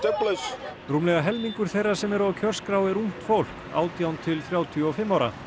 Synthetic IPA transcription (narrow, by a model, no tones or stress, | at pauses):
t̪ɛplɪs | ruːmlɛɣaɦɛlmiŋkʏɾ̥θejrːḁsɛmɛɾɔcʰœr̥skɾawɛɾum̥t̪fowl̥k | a̰ːwt̪jawnt̪ʰɪlθɾjaːwt̪ʰjɔɔfɪmːawɾa̰